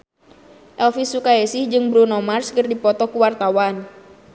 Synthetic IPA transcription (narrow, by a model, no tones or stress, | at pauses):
ʔɛlfisukaesɪhd͡ʒɨŋbɾunɔmarskərdipɔt̪ɔkuwart̪awan